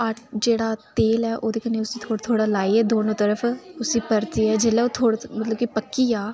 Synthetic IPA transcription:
əʈʰd͡ʒeːɽaːt̪eːlɛːʔoːd̪eːkəneːʊsiːt̪ʰoːɽt̪ʰoːɽaːlaːiɛːd̪oːnõːt̪əɾəpʰʊsiːpəɾt̪iːɛːd͡ʒelɛːoːt̪ʰoːɽmət̪ləbkipəkːiːaː

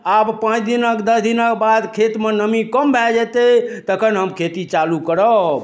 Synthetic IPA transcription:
abpãt͡ʃʰd̪inəkd̪əsd̪inəkbad̪kʰet̪menəmikəmbʱɛd͡ʒɛt̪et̪əkʰənɦəmkʰet̪it͡ʃalukəɾəb

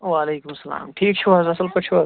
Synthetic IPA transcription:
ʋaːleːkʊmsɐla̰ːmʈʰiːk̚t͡ʃʰuʋɐzɐsɐlpɐt͡ʃʰua

